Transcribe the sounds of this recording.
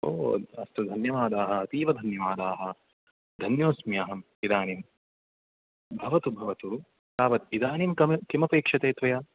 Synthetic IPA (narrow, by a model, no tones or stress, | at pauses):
o̰ːɐst̪ud̪ʱɐnjɐʋaːd̪aːɦɐɐt̪iːʋɐd̪ʱɐnjɐʋaːd̪aːɦɐ | d̪ʱɐnjoːsmjaːɦɐm | id̪aːnim | bʱɐʋɐt̪ubʱɐʋɐt̪u | kaːʋɐt̪id̪aːnimkɐk̪imɐpeːkʂɐt̪eːt̪ʋɐjaː